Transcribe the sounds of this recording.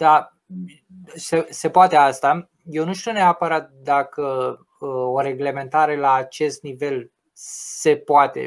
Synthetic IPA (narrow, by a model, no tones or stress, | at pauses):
d̪̥a | sese̞poat̪e̞ast̪a | je̞wnuʃt̪iuneapəɾat̪̚d̪akə | oɾe̞ɡle̞mẽ̞nt̪aɾe̞laːt͡ʃe̞st̪nive̞l | se̞poat̪e̞̰